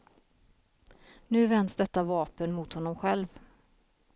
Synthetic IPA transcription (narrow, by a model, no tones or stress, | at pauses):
nʉ̟ːvɛnd̪sd̪ɛt̪ːavɑːpənmʊt̪hɔnːɔmɧɛlv